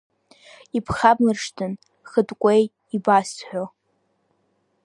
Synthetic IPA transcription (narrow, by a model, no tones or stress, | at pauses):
ipʰχablɨrʂtʰɨn | χədʼkʷʼej | ibasħʷᶣo